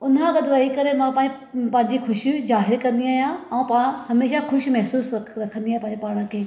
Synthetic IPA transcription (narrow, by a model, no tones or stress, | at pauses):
ʊnãɡɐd̪ʋaːikɐɾemãpãː | pãːɪ̃ɲd͡ʑixʰʊʃizaːɦɪɾkɐ̃nd̪iaːɦijãɛ̃ũpɐãhɐmeːʃaxʰʊʃimɛɦsuːsɾɐkʰə̃nd̪iaːĩpãːɲd͡ʑepaːɽ̃ə̃kʰeː